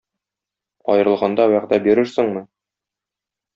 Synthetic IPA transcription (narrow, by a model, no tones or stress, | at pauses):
ɒ̰jɤ̆ɾɤ̆lˠʁɑnd̪ɑwæʁd̪æbiɾɘɾsɘ̆ɴmɤ